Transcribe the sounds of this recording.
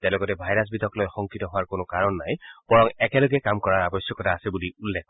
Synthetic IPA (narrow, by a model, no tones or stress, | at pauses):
tɛ̃lɔɡɔtɛbʱajɹas̬bidʱɔklɔjxɔŋkitɔɦʊwaɹkʊnʊkaɹɔnːajb̥ɔɹɔŋɛkɛloɡɛkamkɔɹaɹabɔsjɔkɔtʰaːsɛbuliulːɛk̚